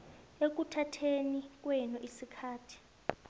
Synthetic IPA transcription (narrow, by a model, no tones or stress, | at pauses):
ek̬utʰatʰenik̬wɛnɔʔisikʰaːtʰi̥